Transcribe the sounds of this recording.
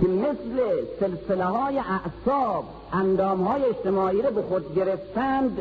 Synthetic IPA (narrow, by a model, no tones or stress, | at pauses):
kʰemesleselseleɦɒːjeʔæʔsɒːb | ʔænd̪ɒːmhɒːjeeʃt̪emɒːiːɾobexod̪̚ɡʲeɾeft̪ænd̪